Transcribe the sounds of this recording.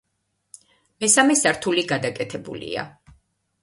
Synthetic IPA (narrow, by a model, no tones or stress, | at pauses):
mɛsamɛsaɾt̪ʰuliɡad̪akʼɛt̪ʰɛbṵlḭa̰